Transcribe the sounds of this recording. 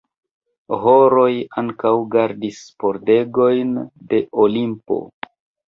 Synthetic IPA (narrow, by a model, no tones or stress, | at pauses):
ɦoɾo̞jaŋkawɡaɾdispo̞ɾde̞ɡo̞jnde̞olimpo̞̰